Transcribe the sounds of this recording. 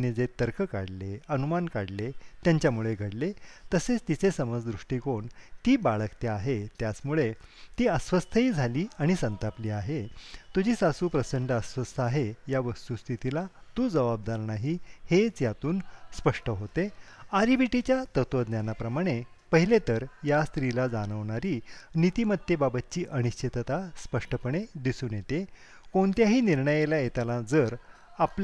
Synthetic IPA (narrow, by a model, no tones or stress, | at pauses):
ned͡zet̪əɾkʰəkaɽleənumankaɽlet̪jaɲt͡ɕjamuɭeɡʱəɽlet̪əset͡st̪it͡sesəməd͡zd̪ɾuʂʈiːkoɳt̪iːbaɭəkt̪eaɦet̪jat͡smuɭet̪iːəsʋəst̪ʰəiːd͡zʱaliːaɽ̃isənt̪apliːaɦet̪ud͡ʑʱiːsasuːpɾəsəɳɖəəsʋəst̪ʰəaɦejaʋəst̪ust̪ʰit̪ilat̪uːd͡zəʋab̚d̪aɾnaɦihet͡sjat̪uːnspəʂʈəɦot̪eaɾibiʈit͡ɕjat̪ət̪ʋəd̪njanapɾəmaɽ̃epəɦilet̪əɾjast̪ɾilad͡zaɽ̃əʋɳ̃aɾiːnit̪imət̪ːebabət̪̚t͡ɕiːʔəñiɕt͡ɕʰet̪ət̪aspəʂʈəpəɳ̃ed̪isuːnjet̪e | koɳt̪jaɦiːniɾɳəjelajet̪alad͡zəɾ | ap